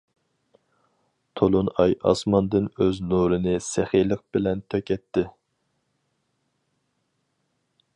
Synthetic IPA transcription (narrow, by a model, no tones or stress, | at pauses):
t̪ʰolˠunɑjɑ̰smɑnd̪ɨnøznuɾɨnɨsɪχijlˠəq̚bɪlɛnt̪ʰøkʲɛt̪ʰːɪ